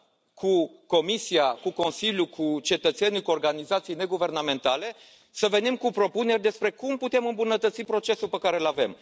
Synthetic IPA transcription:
kʰuko̞misiakuko̞nsiljukʰut͡ʃe̞t̪ət̪se̞nukuo̞rɡanizat̪sijne̞ɡuve̞rname̞nt̪ale̞ | səve̞nimkupɾo̞pune̞rʲd̪e̞spɾe̞kumput̪e̞mɨmbunət̪ət̪sipɾo̞t͡ʃe̞supəkaɾe̞lave̞m

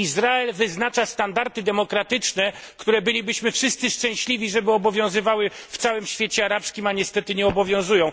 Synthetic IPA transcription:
izɾaɛlvɘznat͡ʂast̪and̪aɾt̪ɘd̪ɛmɔkɾat̪ɘt͡ʂnɛ | kt̪uɾɛbɘlʲibɘɕmɘfʂɘst̪sɘʂt͡ʂɛ̃w̃ɕlʲivʲiʐɛbɘɔbɔvʲjɔ̃w̃zɘvawɘft̪sawɘmɕfʲjet͡ɕɛaɾapskʲimaɲɛst̪ɛt̪ɘɲɛɔbɔvʲjɔ̃w̃zujɔ̃w̃

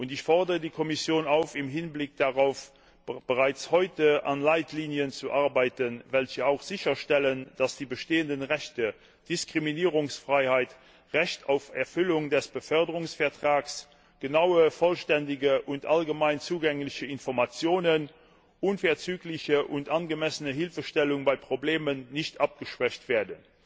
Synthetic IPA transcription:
ʔʊntɪçfɔʁdəʁədiːkʰɔmisjoːnaʊfɪmɦɪnblɪk̚d̥aʁaʊf | b̥əʁaɪt͡shɔʏtəʔa̰nlaɪtliːnjənt͡suʔaɐbaɪtənvɛlçəaʊxz̥ɪçɐʃtɛlənd̥asd̥iːbəʃteːəndənʁɛçtə | d̥ɪskʁ̥iminiːʁʊŋsfʁ̥aɪhaɪt | ʁɛçtʰa̰ʊfɛɐfʏlʊŋdɛsb̥əfœɐdəʁʊŋsfɛɐtʁ̥aːks | ɡ̥ənaʊəfɔlʃtɛndɪɡəʔʊntʔalɡəmaɪnt͡suːɡɛŋlɪçəɪnfɔʁmat͡sjoːnən | ʔunfɛɐt͡syːklɪçəʔʊntʔanɡəmɛsənəɦɪlfəʃtɛlʊŋbaɪpʁ̥obleːmənːɪçtʔap̚ɡ̥əʃv̥ɛçtv̥eːɐdən

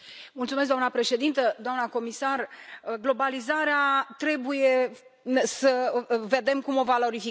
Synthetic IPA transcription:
mult̪sumes̬ɡ̪d̪oamnəpɾe̞ʃe̞d̪int̪əd̪oamnəko̞misarɡlo̞balizaɾeat̪ɾe̞buje̞ | səve̞d̪e̞mkumo̞valo̞ɾifi

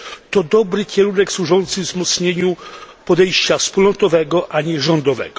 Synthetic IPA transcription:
t̪ɔd̪ɔbɾɘkʲɛɾunɛkswuʐɔnt̪sɘvzmɔt̪sɲeɲupɔd̪ɛjɕt͡ɕafspulɔnt̪ɔvɛɡɔʔaɲɛʐɔnd̪ɔvɛ̰ɡɔ

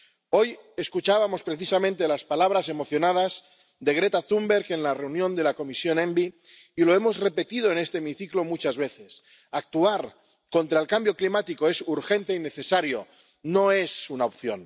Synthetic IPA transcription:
o̞je̞skut͡ʃaβamo̞spɾe̞θisamẽnt̪elaspalaβ̞ɾase̞mo̞θjo̞nað̞az | d̪e̞ɣ̞ɾet̪aθumbeɾke̞nlare̞unjõnd̪e̞lako̞misjo̞nẽmbiː | lo̞e̞mozre̞pe̞t̪iðo̞enest̪eːmiθiklo̞mut͡ʃazβe̞θes | ak̚t̪uaɾ | ko̞nt̪ɾaelkambjo̞klimat̪ikoe̞suɾxe̞nt̪eine̞θesaɾjo | noe̞sunaopθjo̰n

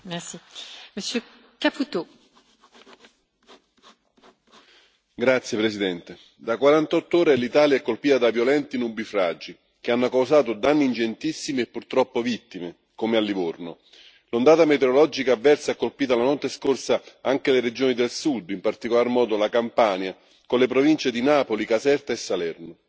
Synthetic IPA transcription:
mɛsiməsjø | kaput̪o | ɡɾat̪sːjepɾesid̪ɛnt̪e | d̪akwaɾant̪ɔt̪ːoːɾelit̪aːljaɛkːolpiːt̪ad̪avjolɛnt̪inubifɾad͡ʒi | keanːokawsaːt̪od̪anːiːnd͡ʒent̪isːimiepːurt̪ɾɔpːovit̪ːime | komealːivorno | lond̪aːt̪amet̪eɾolɔd͡ʒikaːvːɛrsaɛkːolpiːt̪alanɔt̪ːeskorsaaŋkeleɾed͡ʒoːnid̪elsud̪impart̪ikolarmɔːd̪olakampaːnja | konlepɾovint͡ʃed̪inaːpolikasɛrt̪aesːalɛrno

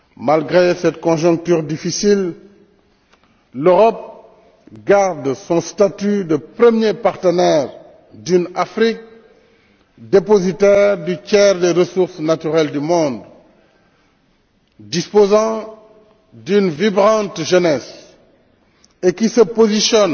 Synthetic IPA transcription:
malɡʁesɛtkɔ̃ʒɔ̃k̚tyːʁdifisil | løʁɔp̚ | ɡaʁdsɔ̃st̪at̪ydəprəmjepaʁtənɛːʁ | dynafɾik̚ | depozitɛːʁdycɛʁdeʁəsuʁsnatyʁɛldymɔ̃ːd̪ | dispozɑ̃ | dynvibʁɑ̃tʒənɛs | ekisəpozisjɔn

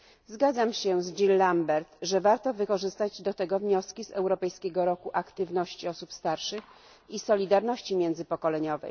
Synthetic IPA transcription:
zɡad̪zamɕɛzd͡ʑilːambɛɾt̪ʐɛvaɾt̪ɔvɘkɔʐɘst̪ad͡ʑd̪ɔt̪ɛɡɔvɲɔskʲizɛwɾɔpɛjskʲɛɡɔɾɔkuʔakt̪ɘvn̪ɔɕt͡ɕiɔsupst̪aɾʂɘx | isɔlʲid̪aɾnɔɕt͡ɕimʲjɛnd̪zɘpɔkɔlɛɲɔvɛ̰j

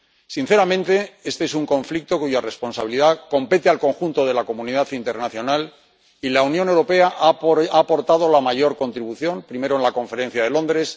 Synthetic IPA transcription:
sin̟θe̞ɾamẽ̞nt̪e̞e̞st̪e̞esuŋkõ̞ɱflik̚t̪o̞kuʝare̞spo̞nsaβiliðako̞mpe̞t̪ealko̞ŋxunt̪o̞ðe̞lako̞mũniðaθint̪e̞ɾnaθjo̞nal | ilaunjone̞wɾo̞pe̞aʔaːpo̞ɾt̪að̞o̞lamaʝo̞ɾko̞nt̪ɾiβuθjo̞mpɾime̞ɾoenlakõ̞ɱfe̞ɾe̞n̟θjað̞e̞lõ̞nd̪ɾe̞s

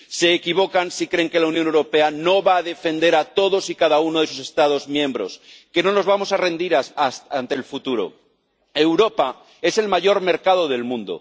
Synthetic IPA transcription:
se̞ːkiβ̞o̞kansikɾeŋke̞lawnjõnewɾo̞pe̞ano̞βaːðe̞fe̞nd̪e̞ɾat̪o̞ðo̞sikaðaunoð̞e̞s̬use̞st̪að̞o̞zmjẽ̞mbɾo̞̰skeno̞no̞zβamo̞sare̞nd̪iɾaasant̪elfut̪uɾo̞̰ | e̞wɾo̞pa | e̞se̞lmaʝo̞ɾme̞ɾkað̞o̞ð̞e̞lmũnd̪o̰

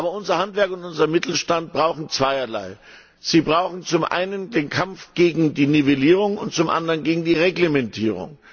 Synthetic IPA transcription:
ʔaːbɐʊnzɐhantv̥ɛɐkʊntʔʊnzɐmɪtl̩ʃtant̚b̥ʁaʊxn̩t͡sv̥aɪɐla̰ɪ | z̥iːbʁaʊxn̩t͡sʊmʔa̰ɪnəndeːnkʰamfɡ̥eːɡŋ̩diːniveliːʁʊŋʊ̰ntt͡sʊmʔa̰ndəʁənɡeːɡŋ̩diːʁeɡlemɛntʰiːʁ̞ʊ̰ŋ

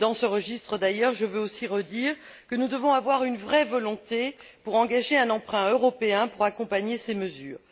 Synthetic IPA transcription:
d̪ɑ̃səʁəʒist̪χəd̪ajœʁʒəvøosiʁəd̪iːʁ | kənud̪əvɔ̃avwaʁynvʁɛvɔlɔ̃t̪epuʁɑ̃ɡaʒeɛ̃nɑ̃pχɛ̃øʁɔpeɛ̃puʁakɔ̃paɲeseməzyːʁ

